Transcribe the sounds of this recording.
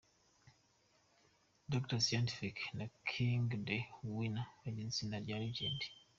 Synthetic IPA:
dok̚tasajanti̥fiknakʰiŋɡdewinaeɟinsinaɾɟaɾid͡ʒendi̥

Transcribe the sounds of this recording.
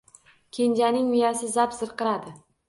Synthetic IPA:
kʲʰe̞nd͡ʒanɪŋmʊjasɪzapsɨɾqɨɾad̪ɪ

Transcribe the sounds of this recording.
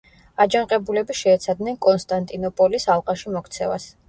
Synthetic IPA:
ad͡ʒaɴqʼɛbulɛbiʃɛːt̪sʰad̪nɛnkʼɔnst̪ʼant̪ʼinɔpʼɔlisalˠqʼaʃimɔkʰt̪sʰɛva̰s

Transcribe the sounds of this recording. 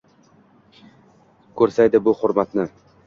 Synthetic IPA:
kʰɵɾsajd̪ɪbʊhʊɾmat̪nɪ

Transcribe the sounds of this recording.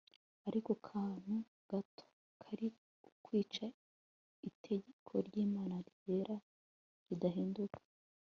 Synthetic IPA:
aɾiko̞kʰaːn̥u | ɡ̥atʰo̥ | kʰaɾi | ukwiːt͡ʃa | itʰe̞ɟekʰo̞̰ɾɟiːmaːnaɾiɟe̞ɾa | ɾidaɦiːndukʰḁ

